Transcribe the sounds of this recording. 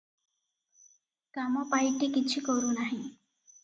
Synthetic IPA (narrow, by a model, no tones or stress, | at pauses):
kamɔpajʈikit͡ʃʰukɔɾunaɦĩ